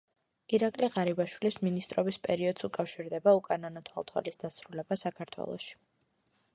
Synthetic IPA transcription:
iɾakʼliʁaɾibaʃwilisminist̪ʼɾɔbispʼɛɾiɔd̪̥sukʼafʃiɾd̪ɛbaukʼananɔt̪ʰwa̰lˠt̪ʰwa̰lisd̪asɾulɛbasakʰaɾt̪ʰwɛ̰lˠɔ̰ʃi̥

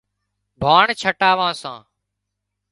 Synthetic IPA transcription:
bʱaːɳt͡ʃʰəʈaːʋãːsã̰ː

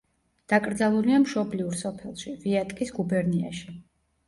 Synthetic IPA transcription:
d̪̥akʼɾd̪zalˠuliamʃɔbliuɾsɔpʰɛlˠʃiviat̪ʼkʼisɡubɛɾnia̰ʃi

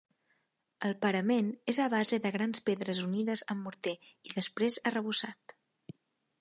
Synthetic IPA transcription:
əlˠpəɾəmenezəβ̞azeðəɣ̞ɾanspeðɾəzuniðəzəmːuɾt̪eiðəspɾezərəβusat̪

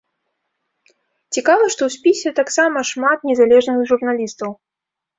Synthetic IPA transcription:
t͡sʲikavɐʂt̪ɔwsʲpʲisʲɛt̪aksamɐʂmat̪nʲɛzalʲɛʐnɨɣʐurnalʲist̪ɐw

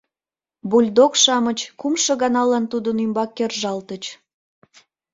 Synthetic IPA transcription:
bulʲd̪okʃɑmət͡ɕkumʃɤɣɑnɑlɑnt̪ud̪ənymbɑkːerʒɑlt̪ət͡ɕ

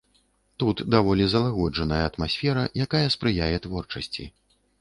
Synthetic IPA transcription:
t̪ut̪d̪avɔlʲizɐlˠaɣɔd͡ʐɐnɐjɐːt̪masʲfʲɛɾɐjakajɐspɾɨjajɛt̪vɔrt͡ʂɐsʲt͡sʲḭ

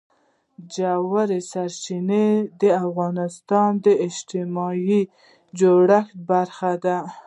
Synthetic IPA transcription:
d͡ʒawaɾesaɾt͡ʃined̪əafɣɑnɪst̪ɑnd̪əɪʃt̪ɪmɑji | d͡ʒoɽaxbaɾxad̪a

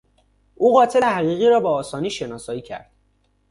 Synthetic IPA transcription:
ʔuːɣɒːt̪ʰeehæɣiːɣiːɾɒːbɒːsɒːniːʃe̞nɒːsɒːjiːcʰæ̰ɾd̪̥

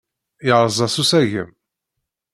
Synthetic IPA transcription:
iʕɾˤzˤɑsusæʝəm

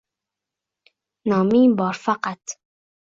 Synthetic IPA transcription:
nɒːmiːbɒːɾfaqat̪

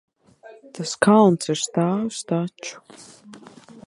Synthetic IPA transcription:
t̪ʰaskʰalˠnsɨɾst̪aːwst̪at͡ʃu̥

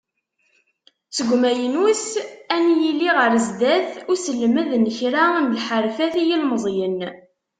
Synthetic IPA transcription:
t͡sːəɡʷmæjənusænjilːiʁəɾzd̪æθʊɾsəlːməðnəçɾamlħəɾfæθijilməzˤjən

